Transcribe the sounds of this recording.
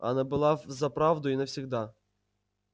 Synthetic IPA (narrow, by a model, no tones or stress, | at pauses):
ɐ̰nɛbʊlˠɑzɐpɾɑwd̪ʊinɛwsʲiɣd̪ɑ